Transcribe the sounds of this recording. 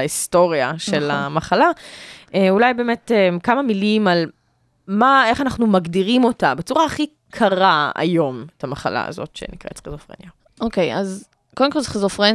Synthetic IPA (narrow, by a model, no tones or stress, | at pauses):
aistoʁiaʃelamaχalaeulajbe̞ːmetemkamamilimal | mae̞χanaχnumaɡdiʁimo̞tabet͡suʁaːχi | kʰaʁaa̰jo̞metamaχa̰la̰ːzo̞̰tʃḛnikʁḛtχezofʁḛnja | ʔokejaz | kodemkolχezofʁe